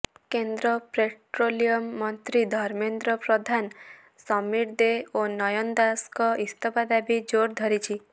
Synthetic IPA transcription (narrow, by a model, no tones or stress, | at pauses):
kend̪ɾɔpɾeʈɾolijɔmːɔnt̪ɾid̪ʱɔɾmend̪ɾɔpɾɔd̪ʱan | sɔmiɾd̪eonɔjɔnd̪askɔʔist̪ʰɔpad̪abid͡ʒoɾd̪ʱɔɾit͡ʃʰi